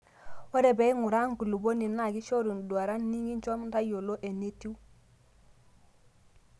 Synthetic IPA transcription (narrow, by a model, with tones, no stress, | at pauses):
wo˦ɾe˨be˨i˦ŋu˨ɾa˦ŋku˨lu˨bo˦ni˨na˨ɡi˦ʃo˦ɾu˨ndu˨a˨ɾa˦nːi˦ŋɡi˦ɲ˦t͡ʃo˦mnta˦jo˨lo˦ʔe˨ne˦ti˦u˦